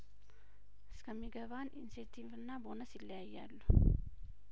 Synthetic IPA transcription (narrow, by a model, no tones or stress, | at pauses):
ʔɨskʰəmːiɡəβanʔḭnset̪ʰivɨnːabonəsilːəjajːalːu